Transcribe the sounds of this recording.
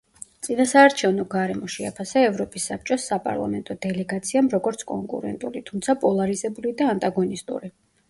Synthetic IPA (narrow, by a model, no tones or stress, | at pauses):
t̪sʼinasaːɾt͡ʃʰɛvnɔɡaɾɛmɔʃɛapʰasaɛvɾɔpʼisːap̚t͡ʃʼɔsapʼa̰ɾlˠa̰mɛnt̪ʼɔd̪ɛlɛɡat̪sʰiamɾɔɡɔɾt̪sʰkʼɔ̰ŋkʼṵɾɛ̰nt̪ʼulit̪ʰumt̪sʰapʼɔlˠaɾizɛbulid̪aːnt̪ʼaɡɔnist̪ʼṵɾi